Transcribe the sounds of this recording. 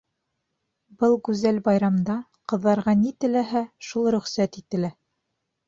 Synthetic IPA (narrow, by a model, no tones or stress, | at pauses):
bɤlˠɡʉzælbɑjɾɑmd̪ɑ | qɤ̆ðːɑɾʁɑnit̪ɘ̆læɦæʃulˠɾɵ̆χsæt̪it̪ɘ̆læ